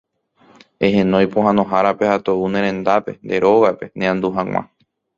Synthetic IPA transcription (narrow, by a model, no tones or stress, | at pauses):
e̞ɦẽ̞nõ̞jpoɦãnõ̞ɦaɾape̞hat̪ounẽɾ̃ẽ̞nd̪ape̞̰nd̪e̞ɾoɣape̞nẽãnd̪uɦãŋʷã̰